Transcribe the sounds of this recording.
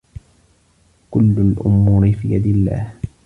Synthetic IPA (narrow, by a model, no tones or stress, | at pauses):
kʊlːʊlʔʊ̰mːuːɾɪfiːjad̪ɪlːa̰ːh